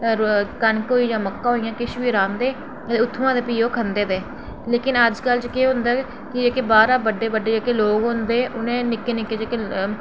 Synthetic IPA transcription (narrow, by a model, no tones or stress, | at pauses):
k̪ənkoːiːd͡ʒãːməkːaːɦoːijãːkɪʃʋiːɾãːnd̪eː | t̪eːʊt̪ʰːuãːd̪eːpiːoːkʰənd̪eːd̪eː | leːkɪnəd͡ʒkəlt͡ʃkeːɦʊ̃nd̪aː | kɪd͡ʒeːkeːbaːɾaːbəɖːeːbəɖːeːd͡ʒeːkeːloːɡɦõnd̪eːʔʊnẽːnɪkːeːnɪkːeːd͡ʒeːke